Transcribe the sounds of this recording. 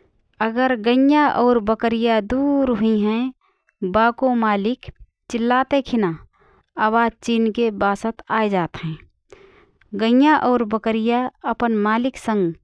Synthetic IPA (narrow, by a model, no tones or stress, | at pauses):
əɡəɾɡəjaʔɔːɾbəkəɾijad̪uːɾɦʊiɦɛ̃ | baːkõmaːlɪk | t͡ʃɪlːaːt̪ekʰɪna | abaːt͡ʃiːnkebaːsət̪aːjd͡ʒaːt̪ɦɛ̃ː | ɡə̃njaʔɔːɾbəkəɾijaəpənmaːlɪksə̃ŋɡ